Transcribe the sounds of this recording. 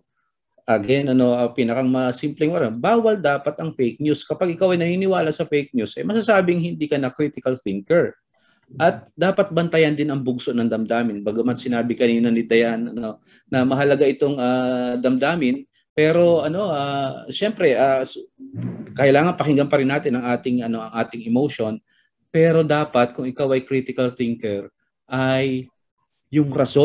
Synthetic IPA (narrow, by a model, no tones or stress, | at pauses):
ʔɐɡɛnɐno̞ʔɐpinɐkɐŋmɐsimplɛŋɐnobaːwɐld̪aːpɐt̪ɐŋfejk̚ɲuskɐpaɡɪkawʔɐjnɐniːnɪwaːlɐʔsɐfɛjk̚ɲusʔɐjmɐsasaːbɪŋhɪnd̪iːkɐnɐkɾiːt̪ɪkɐlθɪŋkɛɹ | ʔɐt̪̚d̪aːpɐt̪̚bɐnt̪ɐjɐnd̪ɪnɐŋbʊɡsoʔnɐŋd̪ɐmd̪aːmɪnbaɡʊmɐnsɪnaːbɪkɐniːnɐnɪd̪ɐjanɐno̞ | nɐmɐɦɐlɐɡaʔɪt̪o̞ŋaːd̪ɐmd̪aːmɪn | pɛːɾo̞ʔɐno̞ʔaʃɛmpɾɛʔaː | kɐʔɪlaːŋɐnpɐhɪŋɡɐmpɐɾɪnːaːt̪ɪnɐŋʔaːt̪ɪŋɐno̞ʔɐŋʔaːt̪ɪŋɛmowʃo̞n | pɛːɾo̞d̪aːpɐt̪̚kʊŋɪkawɐjkɾit̪ɪkɐlθɪŋkɛɹ | ʔajː | ʊŋɾɐso